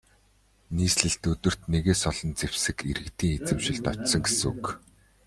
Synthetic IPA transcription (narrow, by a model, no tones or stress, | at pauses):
niːsɮɘ̆ɬt̪ɵt̪ɵ̆r̥t̪neɣeːsɔɮɞ̆nt͡sewsɘ̆keɾɘ̆kt̪iːŋet͡sɘ̆mʃɪ̆ɮt̪ɔt͡ɕsɞ̆ŋɡesɘ̆ŋuk